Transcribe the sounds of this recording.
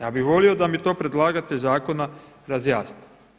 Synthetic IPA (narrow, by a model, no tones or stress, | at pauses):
jaːbixʋo̞lio̞d̪amit̪o̞ːpɾe̞d̪lˠaːɡat̪ezaːko̞na | ɾazjaːsni